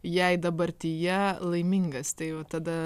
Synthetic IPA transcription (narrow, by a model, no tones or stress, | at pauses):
jɛɪd̪ɐbɐɾʲt̪ʲɪjɛlˠɐɪmʲɪŋɡɐst̪ɐɪʋɐt̪ɐd̪ɐ